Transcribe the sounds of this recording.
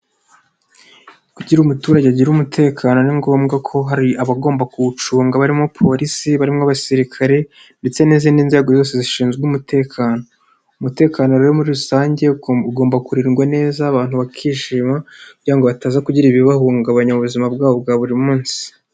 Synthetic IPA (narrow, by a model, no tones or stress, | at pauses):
kuɟiɾumutuːɾaɟeaɟiɾumutʰe̞ːkʰaːno̞niŋɡo̞ːmɡakʰo̞ɦaɾiaβaɡo̞ːmbakuut͡ʃuːŋɡaβaɾimŋopʰo̞ɾisiβaɾimŋaβasiɾikʰaɾe̞ | nde̞t͡se̞ne̞ːzaniːnze̞ɡo̞zo̞ːse̞ziʃiːnzɡeumutʰe̞ːkʰaːno̞ | umute̞ːkanoɾejomuɾiɾusaːɲɟe̞uɡoːmbakuɾiɾɡwane̞ːzaːβaːnhuβakʰiːʃiːmakuɟiɾaŋɡo̞βataːzakuɟiɾiβiβahuːŋɡaβaɲamuβuzimabɡaːβo̞b̚ɡaβuɾimuːnsi̥